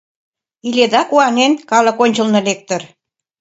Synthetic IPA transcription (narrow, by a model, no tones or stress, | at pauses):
ilʲed̪ɑkuɑnenkɑlə̆konʲt͡ɕə̆lnɤ̆lek̚t̪ə̆r